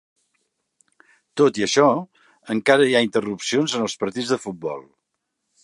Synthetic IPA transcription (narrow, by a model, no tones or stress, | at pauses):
t̪ot̪iəʃɔ | əŋkaɾəiaint̪ərupsionzənəlˠspəɾt̪id͡zzðəfut̪̚bɔ̰lˠ